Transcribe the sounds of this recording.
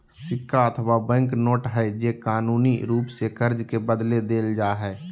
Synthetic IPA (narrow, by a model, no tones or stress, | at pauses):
sɪkʰːaət̪ʰʋabɛ̃ŋknoːʈɦɛd͡ʒeːkaːnuːniɾuːpsekəɾd͡ʒkebəd̪led̪eːld͡ʒaːɦɛː